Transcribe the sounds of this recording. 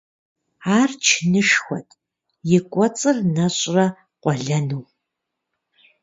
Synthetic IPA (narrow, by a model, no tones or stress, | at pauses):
aːrt͡ʃʰnɨʂxʷɔtʼ | jɪkʷʼɔt͡sʼɨrnɐɕʼrɐ | qʷɔɮɐnuw